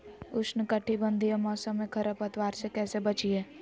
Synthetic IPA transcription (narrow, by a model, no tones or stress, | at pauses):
ʊsnəkɐʈʰːibə̃nd̪ʱiemɔːsə̃mːẽkʰɐɾəpət̪waːɾsekɛːsebət͡ʃiɛː